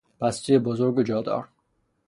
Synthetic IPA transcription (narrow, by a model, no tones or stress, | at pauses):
pʰæst͡ʃiebozoɾɡod͡ʒɒːd̪ɒ̰ːɾ